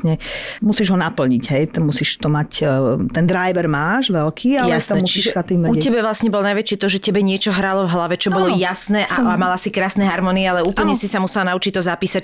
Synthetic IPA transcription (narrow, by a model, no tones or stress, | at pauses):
ɲɛmusiːʒɦɔnapl̩ɲiɟɦɛjt̪ɛmusiːʃt̪ɔmact̪ɛnd̪ɾajʋɛɾmaːʒʋɛlkʰiːajasɛmut͡ʃsiʒʃɛsat̪iːmʋɛucɛbɛʋlasɲɛbɔlɔnajʋɛt͡ʃit̪ɔʒɛcɛbɛɲɪɛt͡ʃɔɦɾalɔvɦlaʋɛt͡ʃɔbɔlɔjasnɛʔʔaamalasikɾaːsnɛɦaɾmɔniɛalɛuːpl̩ɲɛsisamusɛlanaut͡ʃic̚t̪ɔzapiːsac